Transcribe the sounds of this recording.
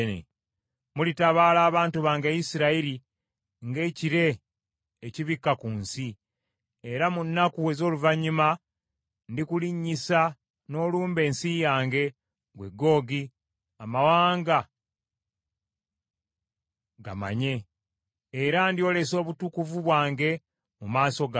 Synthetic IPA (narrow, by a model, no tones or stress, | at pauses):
nḛ | mulitaβaːlaːβaːntuβaːŋɡejisiɾaiɾi | ŋɡe̞ːciɾe̞ː | ciβikːakuːnsi | eɾamunːakuezo̞ːluvaɲːuma | ndikuliɲːisa | no̞ːluːmbe̞ːnsijaːŋɡe̞ | ɡwe̞ɡːo̞ːɡi | amawaːŋɡa | ɡa̰ma̰ɲe̞ː | ɾandio̞ːle̞so̞ːβutukuvuβwaːŋɡe̞ | mumaːso̞ɡ